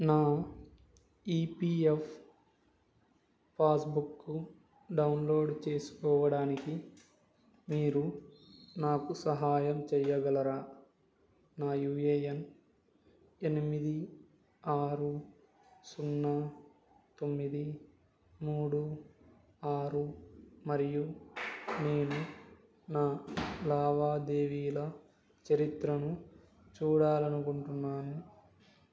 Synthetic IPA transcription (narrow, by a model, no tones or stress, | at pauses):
naː | iːpiːef | paːsbukːu | ɖɐwnlo̞ːɖt͡ʃe̞ːsu̥kɔːʋɐɽaːniki | miːɾu | naːkusɐɦaːjɐmt͡ʃɛjːɐɡɐlɐɾaː | naːjuːeːjɐn | enimid̪i | aːɾu | sunːɐ | t̪o̞mːid̪i | muːɽu | aːɾumɐɾiju | neːnu | naːlaːʋaːd̪eːʋiːlɐ | t͡ʃɐɾit̪ɾɐnu | t͡ʃuːɽaːlɐnukuɳʈunːaːnu